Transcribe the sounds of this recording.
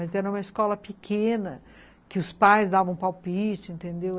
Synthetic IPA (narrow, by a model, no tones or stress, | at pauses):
ɐzɛɾɐ̃ũmɐɪskɔlɐpɪkʰẽnɐ | kɪʊspajzd̪avɐ̃pawpit͡ʃʊẽnt̪ẽnd̪ew